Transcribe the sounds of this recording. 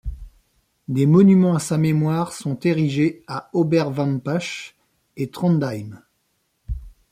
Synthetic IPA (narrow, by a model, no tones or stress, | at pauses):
d̪emɔnymɑ̃asamemwaʁsɔ̃t̪eʁiʒeaɔbɛʁvɑ̃mpaʃ | et̪χɑ̃nd̪ajm